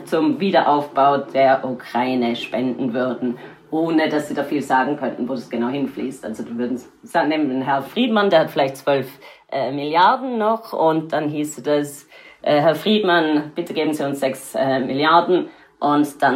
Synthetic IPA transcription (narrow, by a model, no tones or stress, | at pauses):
t͡sʊmviːdɐʔaʊfb̥aʊdeːɐʔukʁ̥aɪnəʃpɛndn̩vʏɐdn̩ | ʔoːnəd̥asz̥iːdaχfiːlzaːɡŋ̩kʰœntn̩voːdasɡ̥ənaʊhɪnflḭːstʔalzodiːvʏɐdn̩s | z̥aːneːmnɦɛɐfʁ̥iːtmandeːɐhatfɪlaɪçtt͡sv̥œlfʔɛmɪljaɐdn̩ːɔχʊnt̚d̥anɦiːsəd̥asʔɛːɦɛɐfʁ̥iːdmanb̥ɪtəɡeːbn̩ziːʊnsz̥ɛksɛmɪljaɐdn̩ | ʔʊntd̥an